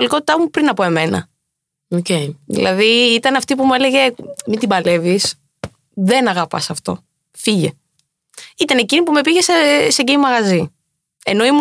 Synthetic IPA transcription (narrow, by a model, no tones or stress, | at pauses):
liko̞t̪i̥t̪ɐmupɾinɐpo̞e̞menɐ̰ | oceðḭlʔɐ̰ðiit̪ɐnɐft̪ipumue̞le̞ʝe̞mind̪ibɐle̞vis | ðe̞nɐɣɐpɐsɐft̪o̞̰ | fiʝe̞ | it̪ɐne̞cinipume̞piʝe̞seseɟiimɐɣɐzi | e̞no̞imu